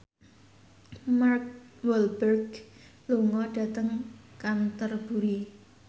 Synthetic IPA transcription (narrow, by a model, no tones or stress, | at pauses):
mark̚wɔlbərɡluŋɔɖ̥a̤t̪əŋkant̪ərb̥ṳɾi